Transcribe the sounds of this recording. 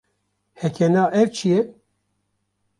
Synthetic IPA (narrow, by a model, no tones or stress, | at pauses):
hɛkʰɛnɑːʔɛɾt͡ʃʰijɛ